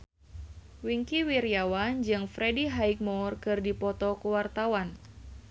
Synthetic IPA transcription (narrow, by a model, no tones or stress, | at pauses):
wiŋkiwiɾjawand͡ʒɨŋfɾediɦaik̚mɔrkɨrdipɔt̪ɔkuwart̪awan